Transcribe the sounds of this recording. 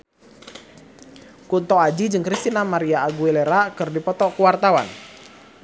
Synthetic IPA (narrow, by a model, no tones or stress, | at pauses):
kunt̪ɔad͡ʒid͡ʒɨŋkɾist̪inamaɾiaːɡuileɾakɨrdipɔt̪ɔkuwart̪awa̰n